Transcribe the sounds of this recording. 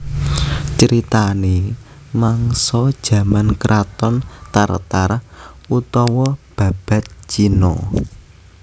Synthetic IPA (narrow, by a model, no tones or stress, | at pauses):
t͡ʃəɾit̪ane | maŋsɔd̥ʒ̥ä̤mankɾʔat̪ɔnt̪art̪arut̪ɔwɔb̥ä̤b̥a̤t̪̚t͡ʃinɔ